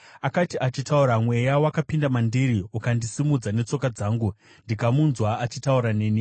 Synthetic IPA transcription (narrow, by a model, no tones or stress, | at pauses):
akatiʔat͡ʃitauɾamwe̞jawakapindamandiɾiukandisimud͡zane̞t͡so̞kad͡zaːŋɡu | ndikamunzwaːt͡ʃitauɾane̞ːni